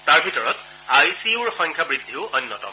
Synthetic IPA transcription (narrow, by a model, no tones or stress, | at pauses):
taɹbʱitɔɹɔt | ajsiuɹɔxɔŋkʰabɹid̪ʱːiʊʔɔnːɔtɔ̰m